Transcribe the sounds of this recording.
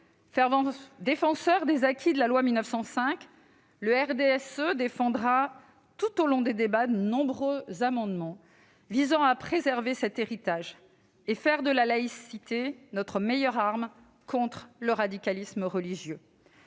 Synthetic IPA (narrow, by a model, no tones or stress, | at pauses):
fɛ̃d̪efɑ̃sœʁd̪ezakʲʰid̪əlalwamilnœfsɑ̃sɛ̃k | ləɛʁd̪eɛsød̪efɑ̃d̪ʁa | t̪ut̪olɔ̃d̪ed̪ebad̪ənɔ̃bʁøzamɑ̃d̪mɑ̃ | vizɑ̃apχezɛʁvesɛt̪eʁit̪aʒ | efɛʁd̪əlalaisit̪enɔt̪χəmejœʁaʁm | kʰɔ̃t̪χləʁad̪ikalisməʁəliʒjø